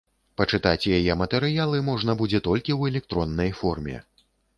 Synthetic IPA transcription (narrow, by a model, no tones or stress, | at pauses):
pɐt͡ʂɨt̪at͡sʲjajɛmɐt̪ɛɾɨjalˠɨmɔʐnɐbud͡zʲɛt̪ɔlʲkʲiwɛlʲɛk̚t̪ɾɔnːɐjfɔrmʲɛ̰